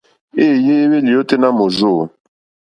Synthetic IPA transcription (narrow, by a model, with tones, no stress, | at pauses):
e˦˨je˦βe˦li˨jo˦tʼɪ˦na˦mo˨zoː˦˨n